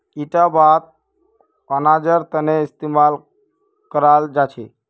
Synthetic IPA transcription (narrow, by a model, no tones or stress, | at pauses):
iʈabat̪̚ | ənad͡ʒəɾt̪əneist̪imal | kəɾald͡ʒat͡ʃʰɛ̰